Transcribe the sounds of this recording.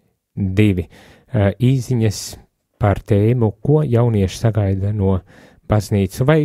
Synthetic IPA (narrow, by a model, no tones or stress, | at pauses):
d̪iʋʲi | iːziɲɐs | paɾt̪ɛːmukuɔjawniɛʃi̥saɡajd̪anuɔ | b̥az̥niːt̪suvaj